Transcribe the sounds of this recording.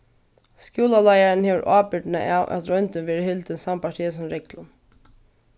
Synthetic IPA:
skjuːlalajaɾɪnheːʋəɾʔaːpɪʈ̪na̰ʔawʔæ̰t̪ɾœnt̪ɪnʋɛːɾɪhɪlt̪ɪnsampaʈ̪ʰiːsʊmɾɛklʊm

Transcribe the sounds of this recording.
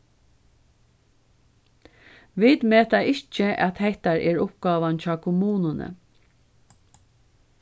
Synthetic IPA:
ʋɪt̪meːt̪aɪt͡ʃəʔat̪hɛht̪aɹʔɛːɹʊpɡɑːʋant͡ʃaːkʰʊmuːnʊnə̰

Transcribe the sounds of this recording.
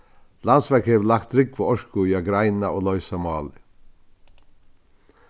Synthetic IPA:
lansʋæɾkheːʋəlɑkt̪̚ɾɪɡ̚pʰoːɔʃkʊjɑɡɾaɪnaoːlɔʏsamɑːlɪ

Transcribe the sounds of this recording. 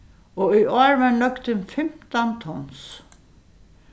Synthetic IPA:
ɔʏɔːɹvanœkt̪ɪnfɪm̥t̪ant̪ʰɔns

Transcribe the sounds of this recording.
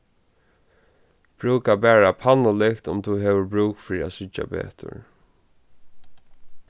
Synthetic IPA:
b̥ɹʉːkabɛːɹapʰanʊlɪkt̪ʊ̰mt̪ʰuɦeːʋəɹbɹuːkfɪɾiasɪt͡ʃa̰bḛːt̪ʰʊ̰ɹ

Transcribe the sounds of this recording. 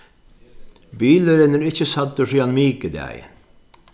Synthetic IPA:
biːləɾɛnəɾɪçəsɑt̪ːəʂiːɑnmiːkəd̪æ̰j̰

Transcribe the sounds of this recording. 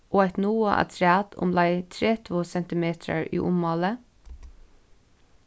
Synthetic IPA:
ʔoːæɪt̪nuːə̰ʔɑ̰t̪ʰɾɪɑːt̪ʰʊ̰mlɑɪt̪ʰɾeːt̪ʰvoːsɛnt̪ɪmeːt̪ʰɾə̰ɹʔḭːʔʊmːɑːlə

